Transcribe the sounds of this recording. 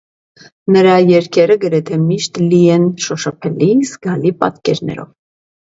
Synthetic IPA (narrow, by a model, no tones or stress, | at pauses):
nəɾɑjɛɾkʰɛɾəɡəɾɛt̪ʰɛmiʃt̪liɛnʃɔʃɑpʰɛlizɡɑlipɑ̰t̪kɛɾnɛ̰ɾɔ̰v